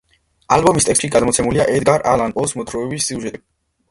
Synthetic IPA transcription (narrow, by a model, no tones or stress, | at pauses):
albɔmist̪ʼɛkst̪ʼʃiɡad̪mɔt̪sʰɛmuliaʔɛd̪ɡaɾʔa̰lanpʼɔsmɔt̪ʰɾɔɛbisːiuʒɛt̪ʼi